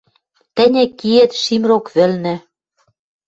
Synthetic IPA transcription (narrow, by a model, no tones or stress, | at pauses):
t̪ɘ̆nʲɘ̆kiet̪ʃimɾokβɘ̆lnɘ̆